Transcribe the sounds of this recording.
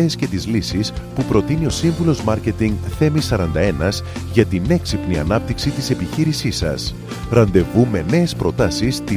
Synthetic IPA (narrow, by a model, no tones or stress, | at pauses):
esce̞t̪izlisispupɾo̞t̪inio̞siɱvulo̞zmɐɾce̞t̪iŋɡθe̞misɐɾɐnd̪ɐe̞nɐz | ʝɐt̪ine̞ksipniɐ̰nɐp̚t̪iksit̪ise̞piçiɾisisɐ̰s | ɾɐnd̪e̞vume̞ne̞ːspɾo̞t̪ɐsist̪i